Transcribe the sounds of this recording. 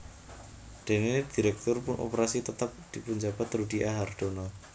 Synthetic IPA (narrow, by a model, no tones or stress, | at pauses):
d̪̥e̤ned̪̥i̤ɾɛk̚t̪ʊrpʊnʔo̰pəɾasit̪ət̪ap̚d̪̥ipuɲd͡ʒabat̪rudiʔaɦard̪̥onɔ